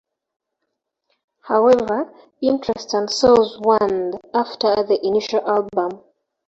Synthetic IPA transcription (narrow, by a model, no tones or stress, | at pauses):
haʊɛvə˞ | ĩntʰɹɛstə̃nsɛzwãndaftʰə˞ðiʔiniʃalʔalbə̃m